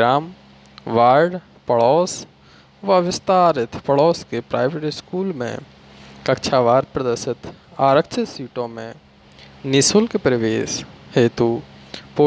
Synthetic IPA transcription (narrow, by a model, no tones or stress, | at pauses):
ɾaːm | ʋaːɾɖ | pɐɭɔːs | ʋɐʋɪst̪aːɾɪt̪pɐɭɔːskepɾaːɪʋeʈɪskuːlmḛ̃ | kɐkt͡ʃʰaːʋaːɾpɾɐd̪əɾʃɪt̪aːɾək̚t͡ʃʰɪsiːʈõmḛ̃ | nɪsʊlkepɾəʋeːʃheːt̪upoː